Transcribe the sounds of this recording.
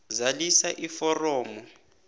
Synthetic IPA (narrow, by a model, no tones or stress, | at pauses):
zalisaʔifɔrɔːmɔ